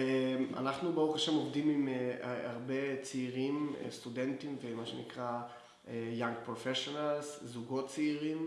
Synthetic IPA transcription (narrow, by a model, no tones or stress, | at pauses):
ema̰naχnubeuχaʃemovdimimaʁbe̞t͡siiʁim̰st̪udentimvemaʃenḭkʁa | ejaŋɡ̚pʁofeʃonalszuɡo̞tt͡siiʁim